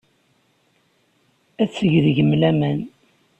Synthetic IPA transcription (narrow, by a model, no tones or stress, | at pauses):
æt͡sːəʝðʝəmlæmæn